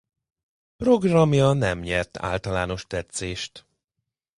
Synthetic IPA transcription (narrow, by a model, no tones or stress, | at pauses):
pro̞ɡrɒmjɒnɛmɲɛrt̪ʰa̰ːlt̪ɒlaːno̞ʃt̪ɛt̪seːʃt̪